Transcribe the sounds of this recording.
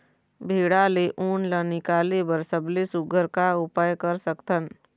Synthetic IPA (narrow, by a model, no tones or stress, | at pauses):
bʱeːɽaːleʔuːnlanɪkaːlebəɾsəblesʊɡʱəɾkaʊpaːjkəɾsəkt̪ən